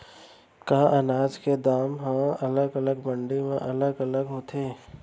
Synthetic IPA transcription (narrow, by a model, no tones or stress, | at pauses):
kaːʔɐnaːd͡ʒked̪aːmɦãɐləɡɐləɡmə̃ɳɖemẽʔɐləɡɐləɡɦoːt̪ʰeː